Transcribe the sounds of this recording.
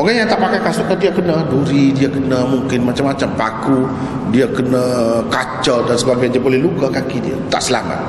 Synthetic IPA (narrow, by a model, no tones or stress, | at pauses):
oɡajaŋt̪aʔpakajkasʊʔt̪ədiakənaduɾidiakənə̃muŋkɪnmat͡ʃamːat͡ʃampaku | diakənãkat͡ʃəldansəbaɡajandiabolɛhlukakakidia̰t̪a̰ʔsəlama̰t̪̚